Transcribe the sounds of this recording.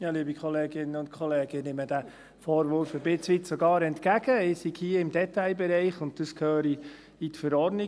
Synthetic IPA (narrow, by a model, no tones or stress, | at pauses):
jɑːliəbikʰɔleːɡɪnəʊntkʰχɔleːɡ̥ənɪməd̥æ | fɔːɾʋʊɾfəbɪt͡sʋɪtsɔɡɑːɾɛntkæɡ̥əɪsiɡhiəɪmdɛtaɪbɛɾɛɪχʊnt̚d̥əskʰøːɾi | itfəɾɔɾdnɪ